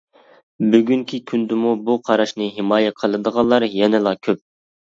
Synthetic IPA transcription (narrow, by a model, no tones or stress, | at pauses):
byɡʲyŋkʲʰikʲʰynd̪ɪmubuqʰɑɾɑʃnɨɦɪmɑːjɛqʰəlˠɨd̪əʁɑnlˠːɑɾjɛnɪlˠɑkʲʰøp̚